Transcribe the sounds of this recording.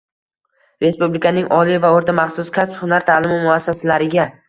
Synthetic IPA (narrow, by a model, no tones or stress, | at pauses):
ɾe̞spublɪkʲʰanɪŋʔɒlijvaoɾt̪ʰamaχsʊskʰʲasphʊnaɾt̪ʰalɪmɪmʊasːasalaɾɪɡʲa